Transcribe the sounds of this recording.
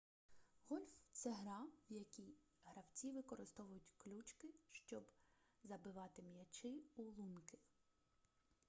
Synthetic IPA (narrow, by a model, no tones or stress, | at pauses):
ɣɔlʲft̪sɛɦɾɑwjɐkʲij | ɦɾɐwt͡sʲiʋɪkɔɾɪst̪ɔʋʊjʊtʲklʲut͡ʃkɪʃt͡ʃɔbzɐbɪʋɑt̪ɪmjɐt͡ʃɪulˠunkɪ